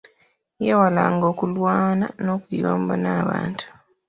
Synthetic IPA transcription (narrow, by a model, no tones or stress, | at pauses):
jewalaːŋɡo̞ːkulwaːna̰no̞ːkwiβaːm̩bonaːβa̰ːntu̥